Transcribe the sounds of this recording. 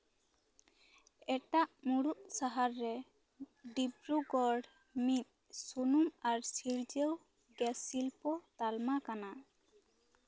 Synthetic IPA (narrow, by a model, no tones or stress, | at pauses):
ɛʈaʔmuɽuʔsaɦaɾːɛ | ɖibɾuɡɔɹɖ | mit̪̚ | sunumaɹsiɾd͡ʒew | ɡɛsilpɔt̪almakana